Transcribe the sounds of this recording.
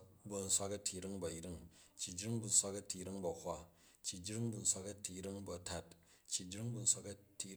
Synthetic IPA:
bu˨˧n̩˦sʷa˦kɐ˦tʰi˨ɾi˦ŋbɐ˨jɾi˦ŋt͡ʃːi˨d͡ʒɾi˦ŋbu˨n̩˦sʷa˦kɐ˦tʰi˨ɾi˦ŋbɐ˨hʷa˦ | t͡ʃːi˨d͡ʒɾi˦ŋbu˨n̩˦sʷa˧kɐ˦tʰi˨˦ɾi˦ŋbɐ˨ta˦t | t͡ʃːi˨d͡ʒɾi˦ŋbu˧n̩˦sʷa˧kɐ˦ti˧

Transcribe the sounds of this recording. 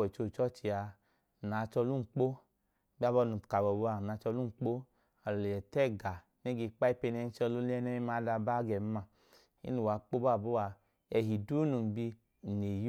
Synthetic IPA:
ɔ˨t͡ʃo˧˨t͡ʃɔ˦t͡ʃi˨a˧˨ | na˨˦˧t͡ʃɔ˧lu˦˨k͡po˦ | ɡ͡ba˦bɔ˧˦nu˨ka˨bɔ˨bo˧˦a˧˨na˨˧˦t͡ʃɔ˧lu˦˨k͡po˦ | a˨lɔ˨le˨jɛ˨tɛ˦˨ɡa˨ | ne˦ɡe˧k͡pa˦i˦pe˧nɛ˧n˦t͡ʃɔ˧lo˦lɛ˦nɛ˦i˦ma˧˦da˧ba˦ɡɛ˨m˦ma˧˨ | ḭ˦nu˨wa˨˦k͡po˦ba˦˨bo˦wa˧ | ɛ˧˨ɦi˨du˦nu˨bi˧˨ | ne˨j

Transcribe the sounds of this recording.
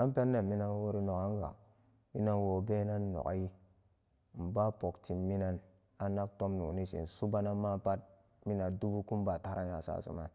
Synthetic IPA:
a˦mpe˦nːe˨mi˦na˦nwo˦ɾi˦no˨ka˦ŋ˦ɡa̰˨ | mi˦na˦nwo˨be˦na˦nːo̰˨ka̰˦ji˦˨ | m̩˨ba˦po˨kti˨mːi˦na˦n | a˨na˦k̚to˦mnṵ˨ni˦sḭ˨n˨su˦ba˦na˦ma˦pa˦t̚ | mi˦na˨du˦bu˦ku˦mba˨ta˦ɾa˦nja̰˨sa̰˦˨sṵ˦ma̰˨n

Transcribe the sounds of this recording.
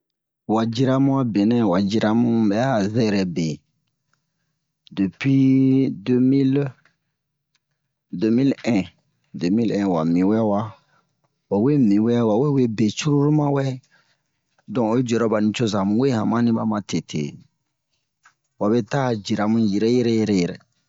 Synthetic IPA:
wa˨d͡ʒi˦ɾa˦mũ˦a˦be˨nɛ̃˦wa˨d͡ʒi˦ɾa˨mũ˦bɛ˨˦a˦˨zɛ˦˨ɾɛ˨be˨ | de˨pɥi˦dmi˦l | de˦mi˦lɛ̃˦ | de˨mi˦lɛ̃˦wa̰˨mĩ˨wɛ˦wa˦ | wa˨we˦mĩ˨wɛ˦wa˨we˦we˦be˨t͡ʃu˦ɾu˦ɾu˦mã˦wɛ˦ | dɔ̃˨o˨˦d͡ʒɛ˨ɾɔ˦ba˨nĩ˨t͡ʃo˦za˨mũ˨˦we˦hã˨mã˦nĩ˦ba˦mã˨te˨tʰḛ˨ | wa˨βe˦ta˦˨d͡ʒi˨ɾa˨mũ˦ji˨ɾɛ˦jɛ˦ɾɛ˦jɛ˨ɾɛ˦jɛ˨ɾɛ̰˨

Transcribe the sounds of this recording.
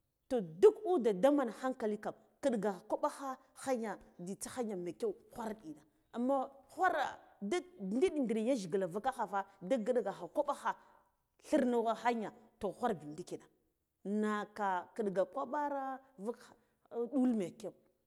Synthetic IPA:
to˨du˦ku˦da˨da˦ma˨na˨xa˦ŋka˨li˦ka˨m | kə˦ɗɡa˨a˨kʷo˦ɓa˦xa˦ | xa˦ɲa˨di˨t͡sa˦xa˦ɲa˨me˨ke˦u˨xʷa˦ɾa˦ɗi˨na˨ | a˨mːa˦xʷa˦ɾa̰˨da˦˨ndi˦ɗi˨ndi˨ɾi˨ja˦ʒi˨ɡi˨la˨va˦ka˦xa˨fa˦da˦ɡə˦ɗɡa˨xa˨ko˦ɓa˦xa˦ | ɬi˦ɾnu˦ɣa˦xa˦ɲa˨to˨xʷa˦ɾbi˨ndi˦ki˨na˨ | na˨ka˨kə˨ɗɡa˨kʷa˦ɓa˦ɾa˦va˦k | ɗu˦lme˨ke˦u˨

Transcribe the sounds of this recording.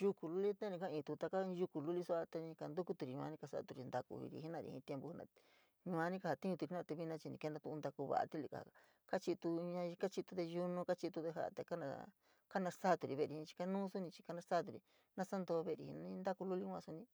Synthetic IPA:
ʒu˧ku˨lu˦li˦t̪ã˦nĩ˧kã˦˧ĩː˧˨t̪u˧t̪a˧kã˦˧ʒu˧ku˨lu˦li˦su˦a˧t̪a˧nĩ˧ka˧nd̪u˦ku˦t̪u˧ɾi˨ɲ̃˧ã̰˧nĩ˦ka˧sa̰˦˧t̪u˧ɾi˧nd̪a˧kṵ˧ḭ˧ɾḭ˧˨i˦nã˧ɾḭ˧hḭ̃˧t̪je˧mbu˧hi˦nã̰˧ | ɲũ˧ã˧nĩ˦ka˧ha˧t̪i˦ũ˧u˧i˧˦nã˧˨t̪e˧βi˧nã˧t͡ʃi˧nĩ˧ke˧nd̪ã˧t̪u˧nd̪a˧ku˧βa̰˨ʔa̰˧t̪i˦li˧ka̰˨a̰˨ | ka˦t͡ʃi˧t̪u˧ɲã˧ka˦t͡ʃi˧t̪u˧ðe˧ju˧nũ˧ka˦t͡ʃi˧t̪u˧ðe˧ɦa̰˦˧t̪a˧ka˦nã̰˧ | ka˦nã˧sa˦˧t̪u˨˧ɾi˨βe˧˨ɾi˧ĩ˧t͡ʃi̥˧ka˧nũː˦su˦nĩ˧t͡ʃi̥˧ka˧nã˧sa˦˧t̪u˨ɾi˧ | nã˦sa˦nd̪o˧βe˧˨˧ɾḭ˨hḭ˧nã˧nĩ˧˦nd̪a˦ku˧lu˦li˦kʷã̰˧su˧nĩ˧

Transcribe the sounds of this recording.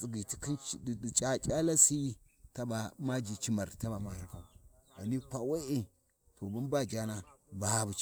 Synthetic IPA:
si˨ɡi˨ti˦ki˦n˦˨di˨t͡ʃʼa˦t͡ʃʼa˦la˦si˦ | ta˦ba˨ma˦d͡ʒi˨t͡ʃi˦ma˨ɾta˦ba˨ma˦ja˨ŋka˨a˨ni˦kʷa˨we˦ʔe˨ | tʰo˨bu˦nba˦d͡ʒa˦na˦ba˨˦bu˨˦

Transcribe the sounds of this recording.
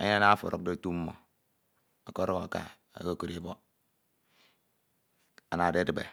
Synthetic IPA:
a̰˦ɲ˦a˦na˦fo̰˨ɾʔo̰˦do˦˨tu˦mː˦o̰˨ | a˨ko˦ɾo˦b̰ka̰˨ | a̰˨ɡo˦˨ko˦ɾe˦bo˦ | a˨na˨de˦di˨bḛ˨

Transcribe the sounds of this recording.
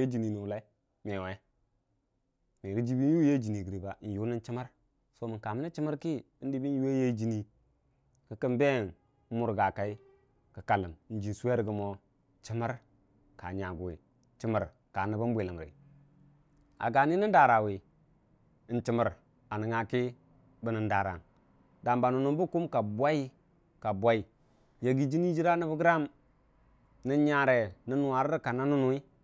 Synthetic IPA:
e˦d͡ʒi˨ni˨ni˨la˦ | me˨we˦ | ni˨ɾi˦d͡ʒi˦bi˦n˦ju˦je˦d͡ʒi˨ni˨ɡi˨ɾi˨ba˨ʔn˨ju˦ni˦nt͡ʃi˦ma˦ɾ | so˦mi˨ka˨mi˦na˦t͡ʃi˦ma˦ɾki˦ | i˦n˦di˦bi˦ju˦we˦je˦d͡ʒi˦ni˦ | kə˨kə˦mbe˦˨n˦ | mu˦ɾɡa˨ka˦i˦ | kə˨ka˨lə˨m˨n̩˦d͡ʒi˨su˦we˦ɾɡə˨mo˦ | t͡ʃi˦ma˦ɾ | ka˨ɲa˨ɡu˨wi˨˦ | t͡ʃi˦ma˨ɾ | ka˨nə˨bə˦mbʷe˨lə˨m˨ɾḭ˨ | a̰˨ɡa˨ni˦ni˦nda˨ɾa˨wi˨ | nt͡ʃi˨mə˨ɾ | a˨nə˨ŋa˨ki˦ | bə˦nə˨nda˨ɾa̰˨n | da˨mba˨nu˨nu˨bu˦ku˦mka˨bʷa˦i˦ | ka˨bʷa˦i˨ | je˨ɡi˦d͡ʒi˦ni˦d͡ʒi˦ɾa˦ni˦bə˦ɡɾa˦m | ni˦ɲa˨ɾe˨ni˦n˨wa˨ɾi˦ɾka˨na˦nu˦nu˦i˦

